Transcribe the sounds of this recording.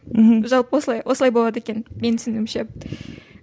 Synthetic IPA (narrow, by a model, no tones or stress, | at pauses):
ʒɑlˠpwosəlˠɑjwʔosəlˠɑjboɑd̪əekʲe̞nme̞nsɪnɪmʃe